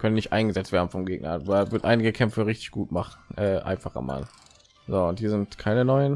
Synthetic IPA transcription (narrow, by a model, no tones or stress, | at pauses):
kʰœnənɪçtʔa̰ɪnɡəzɛt͡stv̥eːɐdn̩fɔmɡeːɡ̚nɐ̰bvɪɐtʔaɪnɪɡəkʰɛmfəʁɪçtɪ̥çɡ̥uːtmaχn̩ʔɛːʔa̰ɪnfaχɐ̰ma̰ː | zoːʊnt̚d̥iːzɪntkʰaɪnənɔʏən